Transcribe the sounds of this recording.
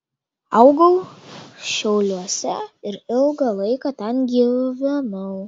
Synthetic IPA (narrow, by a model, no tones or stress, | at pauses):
ɐʊɡɐʊ | ʃʲɛʊlʲuɔsʲɛɪɾɪlˠɡɐlˠɐɪkɐt̪ʲɛnɡʲiːʋʲɪnɐʊ